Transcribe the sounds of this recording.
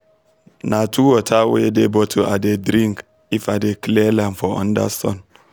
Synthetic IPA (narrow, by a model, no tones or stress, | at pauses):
natʰuwotʰawedebɔtʰoʔadedɾĩŋk | ifadeklelanfɔɔ̰̃nda̰sɔ̰n